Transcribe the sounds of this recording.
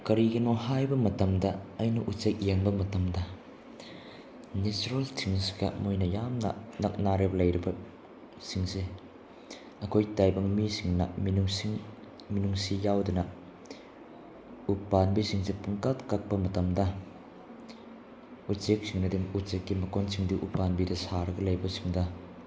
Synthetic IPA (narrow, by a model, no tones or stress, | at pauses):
kɐɾiɡɐnɔɦajbɐmɐtɐmdɐɐjnɐʔut͡ʃek̚jeŋbɐmɐtɐmdɐ | net͡ʃuɾɐltʰiŋsi̥ɡɐ̰mojnɐjamnɐ̰nɐk̚naɾeblɐjɾɐbɐ | siŋse | ɐkʰojtajbɐŋmisiŋnɐ̰minuŋsŋ | minuŋsijawdunɐ | upanbisiŋsepuŋkatkɐk̚pɐmɐtɐmdɐ | ut͡ʃek̚siŋnɐdiŋut͡ʃekːimɐkonsiŋdiʔupanbidɐsaɾɐɡɐlɐjbɐsi̥ŋdɐ